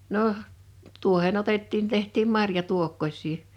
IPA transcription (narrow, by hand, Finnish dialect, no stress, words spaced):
noh tuohen otetːiːn tehtˑiːm mɑrjɑtuokːosʲˑiː